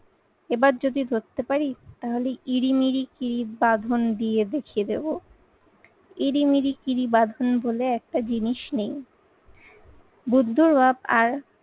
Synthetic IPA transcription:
ebaɾd͡ʑod̪id̪ʱot̪ːepaɾit̪aɦoleʔiɾimiɾikiɾibad̪ʱond̪ied̪ekʰied̪ebo | iɾimiɾikiɾibad̪ʱonboleɛk̚ʈad͡ʑiniʃnej | bud̪ʱːuɾbabaɾ

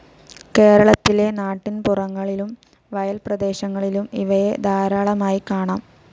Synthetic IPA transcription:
ke̞ːɾɐɭɐt̪ːile̞naːʈːinpurɐŋːɐɭilum | ʋɐjɐlprɐd̪e̞ːɕɐŋːɐɭilumḭʋɐje̞d̪ʱaːɾaːɭɐmaːjikaːɳaːm

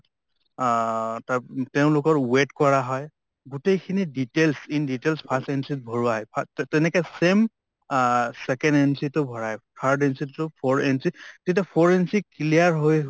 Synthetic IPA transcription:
tateʊ̃lʊkɔɹwetkɔɹaɦɔj | ɡutejkʰiniditelsinditelspʰasɛnsit̚bʱɔɹuaɦɔjpʰtɛnɛkɛsem | sɛkɛ̃nɛnsitʊbʱɔɹaɛpʰaɹdɛnsitːʊpʰɔɹɛnsitetapʰɔɹensikliaɹɦoj

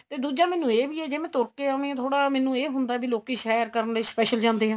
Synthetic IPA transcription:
t̪eːd̪uːd͡ʒãːmɛ̃ːnũːeːbiːɛːd͡ʒeːmɛ̃ːt̪oːɾkeːaniãːt̪ʰoːɽaːmɛːnũːeːɦʊnd̪aːbiːloːkiːʃɛːɾkəɾənleːspɛːʃəld͡ʒãːnd̪eːɦãː

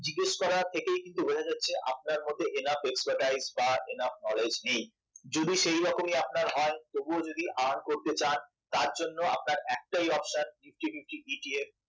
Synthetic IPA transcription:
d͡ʑiɡeʃkɔɾat̪ʰekejkint̪ubekʰad͡ʑatːɕʰeʔap̚naɾmot̪eʔenafekspaɾʈajzbaʔenafnɔled͡ʑnej | d͡ʑod̪iʃejɾɔkomiap̚naɾɦɔet̪obuod͡ʑod̪iʔankoɾt̪et͡ɕan | t̪aɾd͡ʑonːoa̰p̚naɾɛk̚ʈajɔpʃanfif̚ʰʈifif̚ʈiiʈief

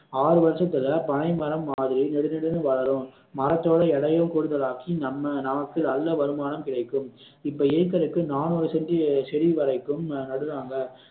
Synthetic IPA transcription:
aːɾɯʋɐɾɐsɐt̪ːɪlɐpɐɳɐɪmɐɾɐmːaːðɪɾinɛɽɯnɛɽɯnɯʋɐɭɐɾɯ̃m | mɐɾɐt̪ːoːɽɐɛɽɐjɯmkɔɽɯðɐlaːkinɐmːɐnɐmɐkːɯnɐlːɐʋɐɾɯmaːnɐmkɪɽɐɪkːɯm | ɪpːɐːeːk̬ːɐɾɯkːɯnaːnoːɾɯsɛndisɛɽiʋɐɾɐɪkːɯmnɐɽɯnaːŋɡɐ

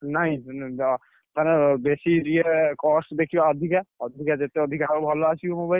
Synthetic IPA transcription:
naɦĩ | t̪ʰanebesiɾiekɔsʈd̪ekʰijoɔd̪ʱikaɔd̪ʱikad͡ʒet̪eɔd̪ʱikaɾbʱɔloasʰiomubail

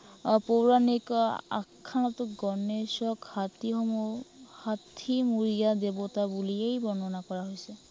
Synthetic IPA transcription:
powɹanika̰kʰːanɔtʊɡɔnesɔkhatihɔmuhatʰimuɹijadebɔtabuliejbɔnɔnakɔɹaɦojsɛ

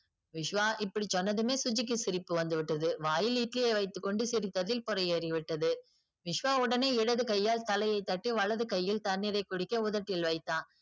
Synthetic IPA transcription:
ʋɪʂʋaːʔɪpːɐɽit͡ʃːɔnːɐðɯmeːsʊd͡ʒɪk̬ːɯsɪɾɪpːɯʋɐnd̪ɯʋɪʈːɐðɯʋaːjɪliːʈlɪjeʋɐɪt̪ːɯkːɔɳɖɯsɪɾɪt̪ːɐðɪlpʊɾɐjeːɾɪʋɪʈːɐðɯ | ʋɪʂʋaːʊɽɐneːɪɽɐðɯkɐjːaːlt̪ɐlɐjɐɪt̪ːɐʈːiʋɐɭɐðɯkɐjːɪlt̪ɐnːɪɾɐɪkʊɽɪkːɐʊðɐʈːɪlʋɐɪt̪ːaː

